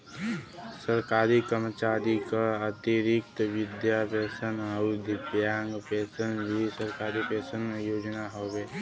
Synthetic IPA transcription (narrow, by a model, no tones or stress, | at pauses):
səɾkaːɾikəɾmət͡ʃaːɾikaət̪iɾɪkt̪wɪd̪jabɛːsənəʊd̪ɪbjaːŋɡpɛːsənbʱisəɾkaːɾipɛːsənmẽjoːd͡ʒnaɦoːʋeː